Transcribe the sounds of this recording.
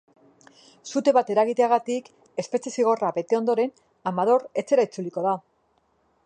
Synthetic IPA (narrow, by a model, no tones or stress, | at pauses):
sut̪e̞βat̪e̞ɾaɣit̪e̞aɣat̪ik | e̞spe̞t͡sesiɣ̞o̞rabe̞t̪e̞o̞nd̪o̞ɾe̞n | amað̞o̞re̞t͡se̞ɾait͡suliko̞ða